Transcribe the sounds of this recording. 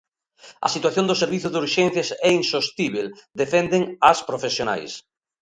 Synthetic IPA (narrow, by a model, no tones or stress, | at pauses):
ɐ̰sit̪waθjond̪ʊseɾβiθʊðuɾʃɛn̟θjasɛinsost̪iβeld̪efɛnd̪ɪŋaspɾofesjona̰js